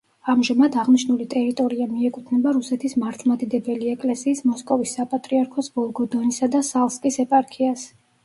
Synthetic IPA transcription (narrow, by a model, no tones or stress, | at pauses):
amʒamad̪aʁniʃnulit̪ʼɛɾit̪ʼɔɾiamiɛkʼut̪ʰnɛbaɾusɛt̪ʰismaɾt̪ʰlˠmad̪id̪ɛbɛliɛkʼlɛsiːsmɔskʼɔvisːapʼat̪ʼɾiaɾkʰɔsbɔlˠɡɔd̪ɔnisad̪asalˠskʼisɛpʼaɾkʰias